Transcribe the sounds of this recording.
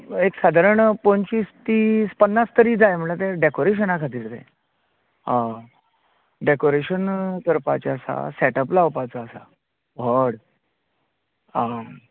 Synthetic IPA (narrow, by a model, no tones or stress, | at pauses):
eksad̪ʱaɾəɳpont͡ɕiːst̪iːspənːast̪əɾiːd͡zajm̤əɭat̪̬ẽɖekoɾeɕ̬ənakʰat̪iːɾt̪ḛ̃ | a | ɖekoɾeɕənt̪əɾpa̰t͡ɕaəsa̰sɛʈəplawpat͡saːsa̰ | ʋəɽ | a